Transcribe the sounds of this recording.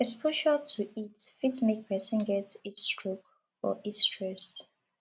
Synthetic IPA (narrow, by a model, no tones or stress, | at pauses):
ɛspʰuʃaltʰuitfitmek̚pʰɛsə̃nɡɛtitstɹok | ɔ̰ʔitstɹɛs